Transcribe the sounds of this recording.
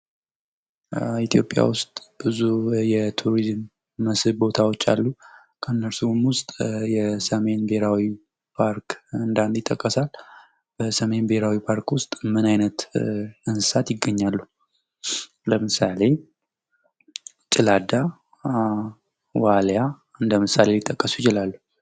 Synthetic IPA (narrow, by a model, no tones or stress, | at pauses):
it̪ʰjo̞pʼja̰wʊst̪ʼb̥ɨzujɛt̪ʰuɾizmː | əsɨβbo̞t̪ʰawot͡ʃːa̰lːu | kʰənːəɾsumwʊst̪ʼjɛsəme̞nbeɾawi | pʰaɾkɨnd̪and̪ɪt̪ʼːəkʼːəsal | b̥əsəme̞nbeɾawipʰaɾkwʊst̪ʼmɨnajnət̪ɨnsɨ̥sat̪jɪɡəɲːalːu | ləmɨsale̞ | t͡ʃʼɪlad̪a | walja | ɨnd̪əmɨsale̞lɪt̪ʼːəkʼːəsujɪt͡ʃɪlalːu